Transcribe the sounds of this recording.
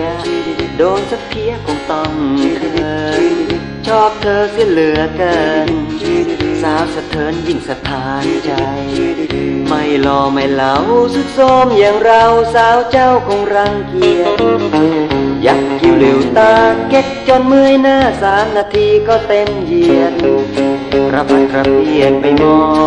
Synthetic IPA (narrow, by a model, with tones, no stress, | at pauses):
doː˧nsa˧˥pʰi˧əkɔ˧ŋt̪ɔ˧˩ŋʰː˧ | t͡ɕʰɔː˥˩p̚t̪ʰɤː˧sɯ˧˩lɯ˨˩˦ɐka˧n | saː˨˦wsa˧t̪ʰːɤː˨˦nji˧˩ŋsa˧t̪ʰaː˨˦nt͡ɕa˧j | ma˧˩jlɔː˧˩ma˧˩jlaː˨˦whuː˧˩su˧˥t̪̚soː˧mjaː˧˩ŋɾa˧wsaː˨˦wt͡ɕa˥˩wkʰɔ˧˦ŋɾa˧ŋki˧ət̪̚ | ja˨˦˩k̚ki˧˩wle˨˦wt̪aː˧ke˧˥k̚t͡ɕɔː˧nmɯ˧əjnaː˧˩saː˨˦mnaː˧t̪ʰiː˧kɔː˧˩t̪e˧mji˧ən̚ | pɾa˦˥p̚a˨˧˩nkɾa˧p̚ʰi˧˩ət̪̚pa˧˩jmɔː˧˩